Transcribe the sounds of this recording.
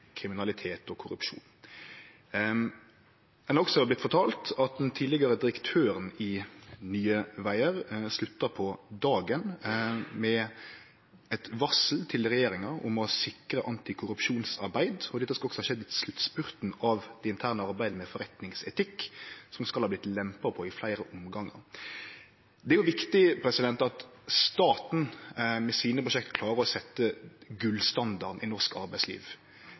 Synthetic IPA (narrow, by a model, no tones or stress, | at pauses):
kʰɾɪmɪnɑlɪt̪ʰeːt̪ɔkʰʊɾʉ̰pʃṵːn | ɛnɔksɔblɪt̪fɔt̪ʰɑːlt̪ɑt̪̚d̪ɛnt̪ʰiːdlɪɡɑɾəd̪ɪɾəkt̪ʰøːɾənɪnyːəʋæɪəʁslʉt̪ːəɾpʰɔd̪ɑːɡənmɛ | ɛt̪ʋɑsl̩t̪ʰɪlʁɛjeːɾɪŋɑʊ̰mɔsɪkɾəʔɑnt̪ɪkʰʊɾʉpʃuːnsɑɾbæɪd̪ɔd̪ɛt̪ːəskɑɔksɔhɑːʃɛd̪ɪt̪slʉt̪spʉɾt̪nɑʋd̪̥ɛɪnt̪ʰæːʁnəɑɾbæɪd̪əmɛfɔɾɛt̪nɪŋsɛt̪ʰɪkːsɔmskɑlhɑblɪt̪lɛmpɑpʰɔɪflæɪɾəʔʊmɡɑŋːə̰ɾ | d̪ɛæjʊʋɪkt̪ɪpʰɾɛsɪd̪ɛnt̪ɑt̪st̪ɑːt̪n̩mɛsiːnəpɾʊʃɛk̚t̪kʰlɑːɾəɾɔsɛt̪ːəɡʉlst̪ɑnd̪ɑʁd̪nɪnɔʁskɑ̰ɾbæɪslḭːʋ